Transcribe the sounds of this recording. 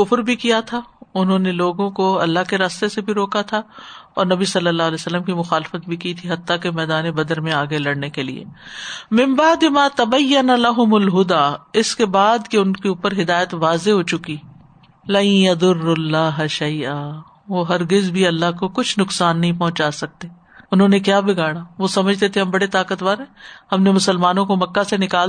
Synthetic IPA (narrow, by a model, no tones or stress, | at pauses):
ʊfɾbʱikijat̪ʰaʊnɦõːneloːɡõkoɐlːaɦkeɾaːst̪esebʱiɾoːkat̪ʰaɔ̰ːɾnɐbisɐlːəlːaːɦlɛːsəlːəmkimʊxaːlɪfət̪̚bʱikit̪ʰiɦɐt̪ːakemɛːd̪aːnebɐd̪əɾmẽaːɡelɐɽnekelḭḛːmɪ̃mbaːd̪ɪmaːt̪ɐbɐjːɐnalɐɦʊmʊlɦʊd̪aːɪskebaːd̪keʊnkeuːpəɾɦɪd̪aːjət̪ʋaːzeɦoːt͡ʃʊki | lɐ̃jjɐd̪ʊɾːʊlːaːɦʃɐjʔaː | ʋoːɦɐɾɡɪzbʱiɐlːaɦkokʊt͡ʃʰnʊksaːnːɐɦĩpɐɦʊ̃t͡ʃaːsɐk̚t̪eː | ʊnɦõːnekjaːbʱiɡaːɽaːʋosɐməd͡ʒʱt̪et̪ʰeɦɐmbɐɽet̪aːkət̪ʋaːɾɦɛ̃ːhɐmnemʊsəlmaːnõkomɐkːasenɪkaːl